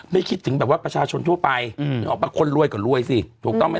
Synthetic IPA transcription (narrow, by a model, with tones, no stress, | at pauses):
ma˥˩jkʰi˦˥t̪ʰːɯ˩˦ŋbɛː˨˩p̚waː˥˩pɾa˧t͡ɕʰaː˧t͡ɕʰo˧nt̪ʰu˥˩əpa˧jʔɔː˨˩k̚aː˧˩kʰo˧˥˨nɾu˥˩əjkɔː˨˩ɾu˥˩əjsi˧˩t̪ʰuː˨˩k̚t̪ɔ˥˩ma˥˩